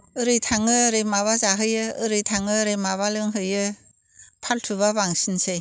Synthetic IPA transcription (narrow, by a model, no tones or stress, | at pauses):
ɯɾɯjtʰaŋɯɾɯjmaβazaɦɯjɯɯɾɯjtʰaŋɯɾejmaβalɯŋɦɯjɯ | pʰaltʰuβaβaŋsinsej